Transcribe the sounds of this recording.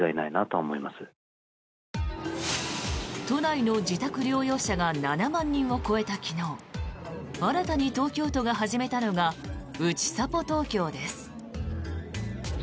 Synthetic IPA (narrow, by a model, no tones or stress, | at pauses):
ainainat̪oːmo̞imasɨ | t̪o̞naino̞d͡ʑit̪akɯ̟ɾʲjo̞ːjo̞ːɕaɡananamãɲ̟ːĩɰ̃o̞ko̞e̞t̪akʲʰino̞ː | aɾat̪aɲ̟it̪o̞ːkʲo̞ːt̪o̞ɡaɦaʑime̞t̪ano̞ɡaɯ̟t͡ɕi̥sapo̞t̪o̞ːkʲo̞ːd̪e̞sɨ̥